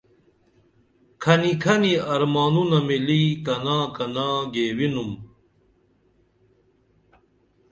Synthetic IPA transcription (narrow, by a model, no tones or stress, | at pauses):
kʰɐnikʰɐniɐɾmaːnunɐmilikɐnaːkɐnaːɡeːwinum